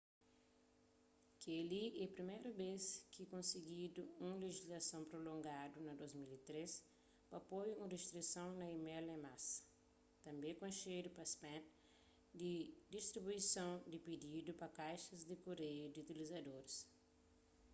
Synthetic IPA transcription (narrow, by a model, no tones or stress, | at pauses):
keliɛpɾimejɾɐbeskɪkõseɡid̪ʊũleʒizlasɐ̃w̃pɾolõŋɡad̪ʊnɐd̪ozmilit̪ɾes | pɐpojũrest̪ɾisɐ̃w̃nɐimɛlẽmasɐ̥ | t̪ɐ̃mbẽkõʃejd̪ʊpɐspɛ̃t | d̪ɪd̪ist̪ɾibuisɐ̃w̃d̪ɪped̪id̪ʊpɐkajʃɐzd̪ɪkoɾejʊd̪ɪut̪ilizad̪oɾɪs